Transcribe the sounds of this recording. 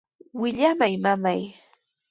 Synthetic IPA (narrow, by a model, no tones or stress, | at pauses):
wɪʎamajmamaj